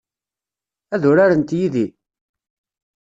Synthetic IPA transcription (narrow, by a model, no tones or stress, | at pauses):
æðʊɾaɾənt̪jiði